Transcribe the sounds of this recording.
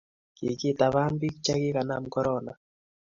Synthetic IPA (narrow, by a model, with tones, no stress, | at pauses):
ke˨ke˦ta˨βa˦nbi˦kt͡ʃa˦ke˦ka˨na˨m̩˦kɔ˦ɾɔna˨